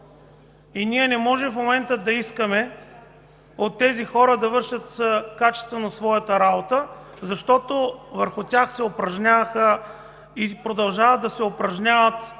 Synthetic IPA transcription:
iniɛnɛmɔʒɛmfmomɛnt̪əd̪ɐiskəmɛ | ot̪ːɛzixɔɾəd̪ɐvɤɾʃət̪kat͡ʃɛ̥st̪vɐnɐsvɔjət̪əɾabot̪ə | zɐʃt̪ɔt̪ovəɾxʊt̪ʲaxsɛopɾɐʒnʲavəxə | ipɾod̪ɐlˠʒavəd̪ɐsɛopɾɐʒnʲavət̪

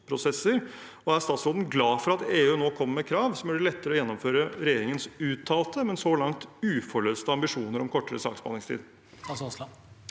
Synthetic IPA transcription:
pʰɾʊsɛsːəɾ | ɔæɾst̪ɑːt̪sɾoːd̪n̩ɡlɑːfɔɾɑt̪eːʉːnoːkʰɔmːɛkʰɾɑːʋsɔmjœɖəlɛt̪ːəɾəɔjɛnːɔmføːɾəɾɛjeːɾɪŋənsʉːt̪ʰːɑːlt̪əmɛnsɔlɑŋt̪ʉːfɔɭøːst̪əɑmbɪʂuːnəɾɔmkʰɔʈːəɾə̰sɑ̰ːksbɑ̰nɪŋst̪ʰḭːd̪

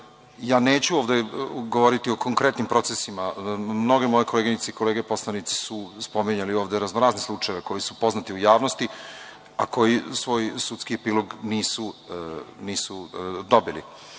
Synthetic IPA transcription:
jaːneːt͡ɕuoʋd̪eɡoʋo̞ɾit̪io̞ko̞ŋkɾet̪nimpɾo̞t̪sesimamno̞ɡemo̞jekʰo̞leɡiɲit̪seikoleːɡepo̞slˠanit̪si̥suspo̞miɲalio̞ːʋd̪eɾaznoɾaːzneslˠut͡ʂajeʋeko̞jisupo̞znat̪iujaːʋnost̪i | a̰ko̞jisʋo̞ːjsut̪skiepiːlˠoɡniːsu | niːsud̪o̞bilḭ

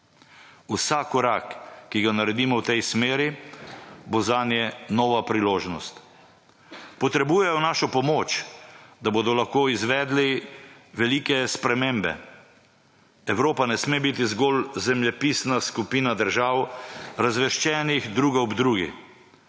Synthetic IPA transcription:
usakɔɾakːiɡanaɾɛd̪iːmɔwt̪ɛjsmeːɾi | bozanjɛnɔːʋapɾiloːʒnɔst̪ | pɔt̪ɾɛbuːjɛjɔnaːʃɔpɔmoːt͡ʃd̪aboːd̪ɔlaxkoːizʋɛːd̪liʋɛliːkɛspɾɛmembɛ̰ | ɛwɾoːpanɛsmebit̪izɡolzɛmlɛpiːsnaskupiːnad̪əɾʒawɾazʋɛʃt͡ʃɛːnixd̪ɾuːɡaɔbd̪ɾuːɡḭ

